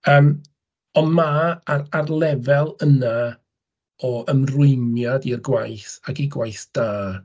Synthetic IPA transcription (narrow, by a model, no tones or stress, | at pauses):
əːm | ɔnmaararlˠɛvɛlˠəna | ɔʔəmrʊɨnjadirɡwajθaɡiɡwajθd̥aː